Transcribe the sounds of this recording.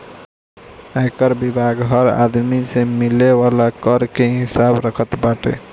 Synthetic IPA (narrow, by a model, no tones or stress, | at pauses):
ajkəɾbibʱaɡɦəɾa̰d̪misẽmilewalakəɾkeɦisabɾəkʰət̪baʈḛ